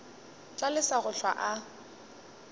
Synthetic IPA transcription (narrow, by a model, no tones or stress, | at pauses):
t͡ɬʼalɪsaɣʊɬʰwa̰ʔa